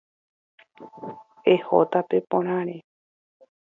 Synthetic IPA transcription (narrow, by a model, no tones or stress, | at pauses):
eho̰t̪apepõɾ̃ãɾe